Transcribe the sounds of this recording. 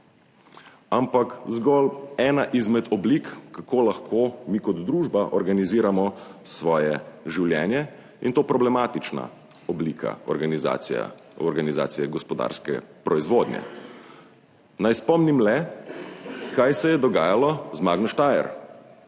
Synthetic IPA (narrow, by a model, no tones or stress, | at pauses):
ampakzɡɔlɛːnaʔizmɛt̪ɔblikːakoːlaxkʰoːmiːkɔd̪d̪ɾuːʒbaʔɔɾɡaniziːɾamɔsʋɔːjɛʒiwljɛːnjɛ | int̪oːpɾɔblɛmat̪it͡ʃna̰ | ɔblikʰa̰ɔɾɡaniza̰ | ɔɾɡaniza̰ːt̪sijɛɡɔspɔd̪a̰ːɾskɛ̰pɾɔizʋoːd̪njɛ̰ | najspɔmnimlɛ | kajsɛjɛd̪ɔɡaːjalɔzmaːɡnɔʃt̪ajɛ̰ɾ